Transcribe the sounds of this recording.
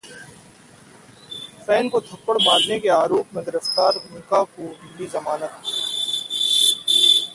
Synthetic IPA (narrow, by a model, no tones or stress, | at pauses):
fɛːnkot̪ʰɐpːəɽbaːɾnekeaːɾoːpmẽd̪ɪɾəft̪aːɾmʊnkakobiːbizɐmaːnət̪